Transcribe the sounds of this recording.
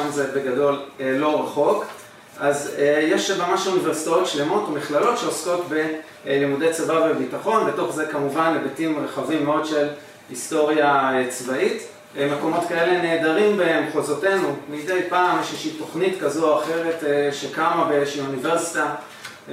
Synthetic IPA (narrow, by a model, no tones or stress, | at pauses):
mzebe̞ɡado̞llo̞ʁaχo̞k | azjeʃmamaʃunive̞ʁsi̥tao̞tʃle̞mo̞tomiχlalo̞tʃe̞osko̞tbe̞ | limude̞jt͡savavebitaχo̞nbe̞to̞χze̞kamuvanlebetimʁeχavimːeo̞dʃe̞l | histo̞ʁjaet͡svait | me̞ko̞mo̞tkae̞le̞ne̞ːdaʁimbemχozo̞te̞numidejpaːmjeʃjeʃito̞χnitkazuaχe̞ʁe̞tʃekamabeʃiunive̞ʁsi̥ta